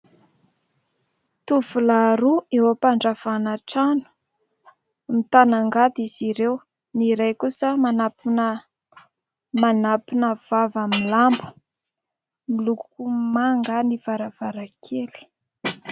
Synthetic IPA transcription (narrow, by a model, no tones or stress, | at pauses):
t̪uvulaɾuewapaɳɖ͡ʐav̥anaʈ͡ʂanu̥ | mit̪anaŋɡad̪iziɾew | niɾajkusəmanapunə | manapinəv̥avamiilambə̥ | milukukumaŋɡaniv̥aɾav̥aɾakʰeli̥